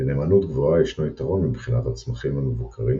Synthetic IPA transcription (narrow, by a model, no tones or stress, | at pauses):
neːmanut̪ɡvo̞aiʃnoit̪aʁo̞nmibχinat̪hat͡smaχimamevukʰaʁi